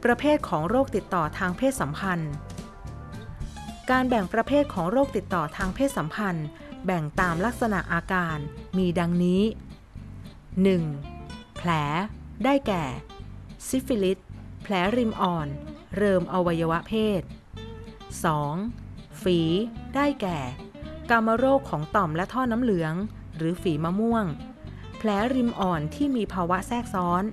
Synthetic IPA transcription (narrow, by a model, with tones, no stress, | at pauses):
pɾa˧pʰeː˥˩t̪̚kʰɔː˩˦ŋɾoː˥˩k̚t̪i˨˩t̪ːɔː˨˩t̪ʰaː˧ŋpʰeː˥˩t̪̚sa˩˦mpʰa˧n | kaː˧nbɛ˨˩ŋpɾa˧pʰeː˥˩t̪̚kʰɔː˩˦ŋɾoː˥˩k̚t̪i˨˩t̪ːɔː˨˩t̪ʰaː˧ŋpʰeː˥˩t̪̚sa˩˦mpʰa˧n | bɛ˨˩ŋt̪aː˧mla˦˥k̚sa˧na˨˩ʔaː˧kaː˧nmiː˧da˧ŋniː˦˥ | nɯ˨˩ŋpʰlɛː˩˦daː˥˩jkɛː˨˩si˦˥fi˧li˦˥t̪̚pʰlɛː˩˦˥ɾi˧mʔɔː˨˩nɾɤː˧mʔa˧wa˧jːa˧wa˦˥pʰeː˥˩t̪̚ | sɔː˩˦ŋ | fiː˩˦daː˥˩jkɛː˨˩ | ka˧mːaː˧ɾoː˥˩kʰːɔː˩˦ŋt̪ɔ˨˩mlɛ˦˥ʔt̪ʰɔː˥˩na˦˥mlɯ˩˦əŋ | ɾɯː˩˦fiː˩˦maː˧mu˥˩əŋ | pʰlɛː˨˩˦ɾi˧mʔɔː˨˩nt̪ʰiː˥˩miː˧pʰaː˧wa˦˥ʔsɛː˥˩k̚sɔː˦˥n